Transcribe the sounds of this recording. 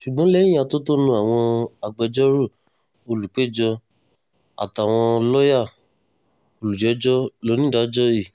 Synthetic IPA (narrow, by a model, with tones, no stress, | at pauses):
ʃu˨ɡ͡bɔ̃˦lɛ˦ĩ˦a˧˨to˦to˦nũ˧˦a˨w̃ɔ̃˧a˧ɡ͡bɛ˧d͡ʒɔ˦ɾu˦˨ | o˧lu˨k͡pe˦˨d͡ʒɔ˧ | a̰˨ta˨w̃ɔ̃˧lɔ˦ja˦˨ | o˧lu˨d͡ʒɛ˨˦d͡ʒɔ˦lo˨˦nĩ˦da˨˦d͡ʒɔ˦i˦˨